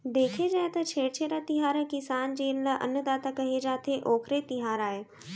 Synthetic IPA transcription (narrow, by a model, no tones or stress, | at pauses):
d̪eːkʰed͡ʒaːet̪ɐt͡ʃʰeːɽt͡ʃʰeːɾat̪ɪɦaːɾəkɪsaːnd͡ʑeːlləʔɐ̰nəd̪aːt̪akɐɦid͡ʒaːt̪ʰeʔoːkʰɾet̪ɪɦaːɾaːɦeː